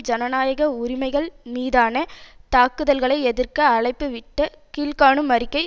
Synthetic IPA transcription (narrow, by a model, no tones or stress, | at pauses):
d͡ʒɐnɐnaːjɐɣɐʊɾɪmɐɪɣɐɭmiːðaːnɐt̪aːkɯðɐlɣɐɭɐɪɛðɪrkɐːɭɐɪpːɯʋɪʈːɐ | kiːlkaːɳɯmɐɾɪkːɐɪ